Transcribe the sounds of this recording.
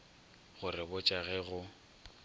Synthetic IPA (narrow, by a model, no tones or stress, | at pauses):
ɣʊrɪbʊt͡ʃʼaɣɛɣʊ